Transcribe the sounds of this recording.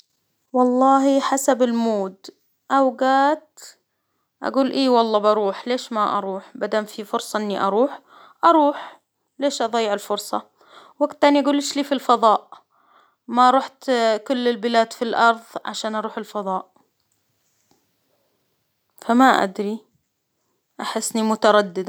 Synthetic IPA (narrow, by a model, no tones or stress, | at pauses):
wɑlˤːɑːɦiħasabɪlmoːd̪ | ʔawɡaːt̪ | ʔa̰ɡuːlʔeːwɑlˤːɑːbɑɾˤuːħleːʃmaʔɑ̰ɾˤuːħbad̪amfifʊɾsˤɑʔɪnːiʔɑ̰ɾˤuːħ | ʔɑɾˤuːħ | leːʃʔɑðˤɑjːɪʕɪlfʊɾsˤɑ̰ | waɡt̪ːaːniʔaɡuːlːɪʃliːfilfɑðˤɑːʔ | maʔɾˤuːħt̪kʊlːɪlbɪlaːd̪filʔɑɾˤðˤʕa̰ʃaːnʔɑɾˤuːħɪlfɑðˤɑːʔ | famaʔa̰d̪ɾi | ʔaħɪsːnimʊt̪ɑɾˤɑd̪ːɪd̪a